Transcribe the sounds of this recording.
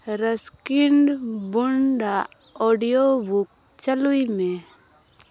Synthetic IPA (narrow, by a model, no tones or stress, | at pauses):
ɾəskɪɳɖbʊɳɖa | oːɖijobuk̚ | t͡ʃəluimẽ